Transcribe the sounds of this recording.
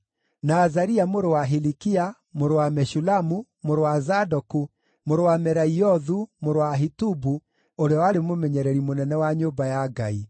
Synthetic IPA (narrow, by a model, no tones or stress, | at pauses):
naːzaɾiamoɾowaɦilikia | moɾowamɛʃulamu | moɾowazadɔku | moɾowamɛɾaiɔðumoɾowaɦitubu | oɾeɔwaɾemomɛɲɛɾɛɾimonɛnɛwaɲobajaɡai